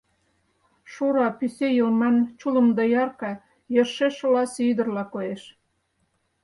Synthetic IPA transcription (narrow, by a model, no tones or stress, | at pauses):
ʃuɾɑpysejəlmɑnt͡ɕulə̆md̪əjɑrkɑ | jɤʃeʃlɑsyd̪ə̆rlɑkoeʃ